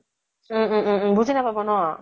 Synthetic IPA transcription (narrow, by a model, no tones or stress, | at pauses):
bud͡ʑʱinabʱabonɔ